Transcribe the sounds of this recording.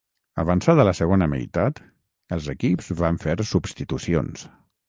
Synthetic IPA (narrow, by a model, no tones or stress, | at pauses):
əβənsaðələsəɣ̞onəmə̰jt̪at̪ | əlˠzəkipzβaɱfeɾsubst̪it̪usio̰ns